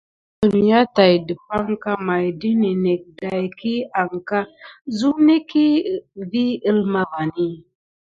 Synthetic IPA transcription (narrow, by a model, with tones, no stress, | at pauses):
tə˨n˨ja˦ta˨jdə˨pa˦ŋka˦ma˨jdi˦ni˨ne˨k̚da˨jki˦a˨ŋka˦zu˦ne˦ki˦˨vi˦ə˦lma˦va˨ni˦